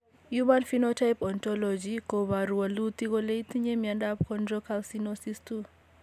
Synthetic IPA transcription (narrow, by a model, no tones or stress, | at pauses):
jumanfinotʰajpɔnt̪ɔlɔd͡ʒikɔβaɾuwalut̪ikɔleitʰiɲemiandapkʰɔndrɔkʰalsinosistu